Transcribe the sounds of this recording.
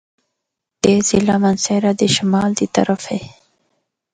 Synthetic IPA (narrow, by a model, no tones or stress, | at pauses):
d̪̥ezɪlamanseɾad̪əʃamɑld̪ət̪a̰ɾafe